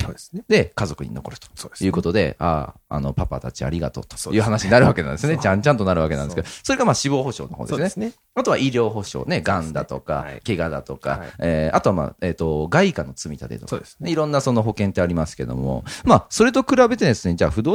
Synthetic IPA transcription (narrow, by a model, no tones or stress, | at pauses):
d̪e̞kazo̞kɯ̟ɲ̟ḭno̞ko̞ɾɯ̟t̪o̥ojɯ̟ːko̞t̪o̞d̪e̞̰a̰ːa̰no̞papat̪at͡ɕia̰ɾʲiɡa̰t̪o̞̰ːt̪o̥jɯ̟ːɦanaɕiɲinaɾɯ̟βake̞nã̰nd̪sɨonet͡ɕãt͡ɕãnt̪̬onaɾɯ̟βake̞nã̰nskedso̞ɾe̞ɡamaːɕibo̞ːho̞ɕo̞̰ːno̞ɦo̞ːd̪se | at̪o̞βaʔiɾʲo̞ːɦo̞ɕo̞̰ːne̞ɡãnd̪a̰t̪o̞̰ka̰keɡad̪at̪o̞ka̰eːat̪o̞βama̰ːeːt̪o̞ɡaikanːot͡sɨmʲit̪ad̪e̞̰t̪o̥̰siɾõ̞nːaso̞no̞ɦo̞kẽ̞nt̪ːeaɾʲimasɨ̥ke̞d̪o̞̰mo̰maso̞ɾe̞t̪̬o̞kɯ̟ɾabe̞t̪ed̪esɨɲid͡ʑaːɸɯ̟d̪o̞ː